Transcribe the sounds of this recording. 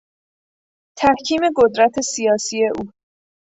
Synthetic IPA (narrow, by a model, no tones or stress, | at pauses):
t̪ʰæhcʰiːme̞ɡod̪ɾæt̪ʰe̞sijɒːsiːe̞ʔuː